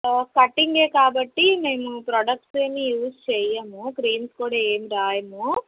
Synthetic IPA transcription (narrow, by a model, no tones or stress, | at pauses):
kɐʈːiŋɡe̞ːkaːbɐʈːime̞ːmupɾɔɖɐk̚ʈseːmijuːst͡ʃɛjɐmukɾiːnskuːɽaːe̞ːmiɾaːjɐmu